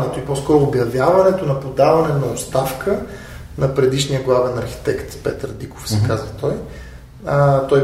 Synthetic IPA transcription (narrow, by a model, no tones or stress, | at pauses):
ɛt̪oipɔskɔɾʊːbjɐvʲjavɐnɛt̪onɐpod̪avɐnɛnɐot̪st̪afkʰə | nɐpɾɛd̪iʃnijəɡlˠavɛnɐɾxi̥t̪ɛkt̪pɛ̰t̪əɾd̪iko̥fsɛkazvət̪ɔj | ət̪ɔj